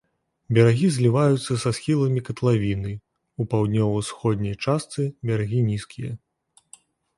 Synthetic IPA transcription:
bʲaɾaɣʲizʲlʲivajut̪sːɐsasxʲilˠɐmʲikɐt̪lˠavʲinɨ | upawd̪ʲnʲɔvɐwsxɔd̪̚ʲnʲɐjt͡ʂast̪sɨbʲaɾaɣʲinʲiskʲijɐ

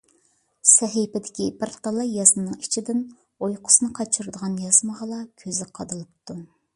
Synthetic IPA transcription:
sɛɦipɪd̪ɪkʲibɪɾt̪ʰɑlˠɑjɑzmɨnːɨŋit͡ʃʰid̪ɪn | ojqʰʊ̥snɨqʰɑt͡ʃʰuɾɨd̪əʁɑnjɑzməʁɑlˠɑkʲʰøzɪqʰɑd̪ɨlˠɨp̚t̪ʰu

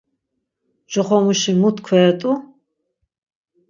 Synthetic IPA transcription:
ʒɔχɔmuʃimut̪ʰkʰɛːɾt̪ʼu

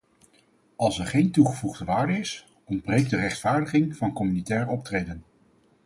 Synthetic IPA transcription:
ɑlˠsɛɹχejntuχəvuχdəʋaːɹdəɪs | ɔnd̚brejɡ̚dərɛχtfaːɹdəχɪŋv̥ɑnkɔmynitɛːrəɔp̚trejdən

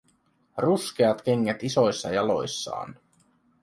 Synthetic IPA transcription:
rusk̟eɑt̪k̟e̞ŋːet̪iso̞jsːɑ̰jɑlo̞̰jsːɑ̰ːn

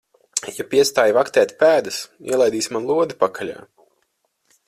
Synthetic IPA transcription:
japiɛst̪aːjvakt̪ɛːt̪ʲpæːd̪ɨsḭɛlˠajd̪iːsʲmanlˠuɔd̪ipakʰalʲa̰ː

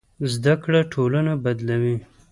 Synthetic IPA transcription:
zd̪akɽaʈʰolanabad̪lawi

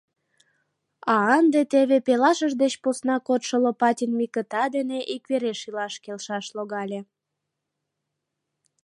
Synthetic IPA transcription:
ɑənd̪et̪eβepelɑʃəʒd̪et͡ɕposnɑkot̪ʃəlopɑtʲinmikət̪ɑd̪eneʔikβeɾeʃilɑʃkelʃɑʃloɣɑlʲe

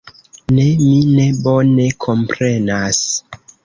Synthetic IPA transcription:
ne̞mine̞bo̞ne̞kʰo̞mpɾe̞nas

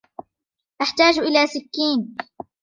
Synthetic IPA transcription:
ʔaħt̪aːd͡ʒʔɪlaːsɪkːiːn

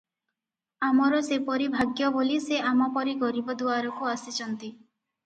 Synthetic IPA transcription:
amɔɾɔsepɔɾibʱaɡjɔboliseamɔpɔɾiɡɔɾibɔd̪uaɾɔkuasit͡ʃʰɔnt̪i

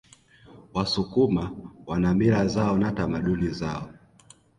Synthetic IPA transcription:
wasukumawanamiɾazaɔnatamaɗunizaɔ

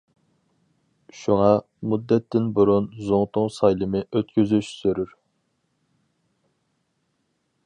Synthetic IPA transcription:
ʃuŋɑ | mud̪ːɛt̪ːɪnbuɾunzoŋt̪ʊŋsɑjlˠɨmɨʔøt̪̚kʲyzyʃsøɾyɾ

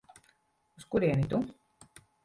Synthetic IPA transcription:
uskuɾiɛnit̪u

